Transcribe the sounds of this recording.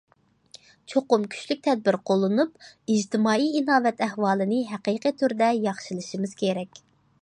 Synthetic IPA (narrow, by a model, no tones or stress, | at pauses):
t͡ʃʰoqʊmkʲʰy̥t͡ʃlyk̚ʲt̪ʰɛd̪̚bɪɾqʰolˠːɨnupid͡ʒt̪ʰɪmɑːiinɑːvɛt̪ʰɛhwɑːlˠɨnɨɦæqiːqit̪ʰyɾd̪ɛjɑχʃilˠɨʃimɨz̥kʲʰeɾɛkʲ